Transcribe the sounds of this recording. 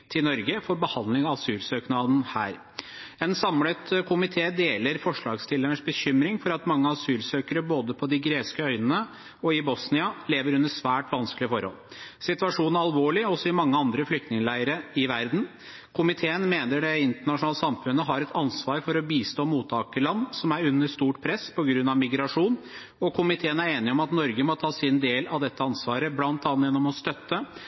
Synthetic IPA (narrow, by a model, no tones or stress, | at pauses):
t̪ʰɪlnɔɾɡəfɔɾbəhɑnd̪lɪŋɑɑsyːlsøːknɑːd̪n̩hæ̰ːɾ | ɛnsɑmlət̪kʰʊmɪt̪ʰeːd̪eːləɾfɔʂɭɑːɡst̪ɪlːəɳəʂbəçʏmɾɪŋfɔɾɑt̪mɑŋːəɑsyːlsøːkəɾəboːd̪əpʰɔd̪ɪɡɾeːskəœʏnənə | ɔɪbɔsnɪɑleːʋəɾʉnːəʂʋæːʈʋɑnskəlɪəfɔɾhɔ̰l | sɪt̪ʋɑʂuːnɑlʋoːɭɪɔsɔɪmɑŋːəɑnd̪ɾəflʏk̚t̪nɪŋəlæɪəɾəɪʋæɾd̪n̩ | kʰʊmɪt̪ʰeːənmeːnəɖɛɪnt̪əɳɑʂʊnɑːləsɑmfʉnːəɦɑɾɛt̪ʰɑnsʋɑːɾfɔɾɔbiːst̪oːmuːt̪ʰːɑːkəlɑnːsɔmæɾʉnːəʂt̪uːʈpʰɾɛspʰɔɡɾʉnːɑʋmɪɡɾɑʂuːn | ɔkʰʊmɪt̪ʰeːənæɾeːnɪɔmɑt̪nɔɾɡəmɔt̪ʰɑːsɪnd̪eːlɑʋd̪ɛt̪ːəɑnsʋɑːɾəblɑnt̪ɑːnt̪jɛnːɔmɔst̪œt̪ːə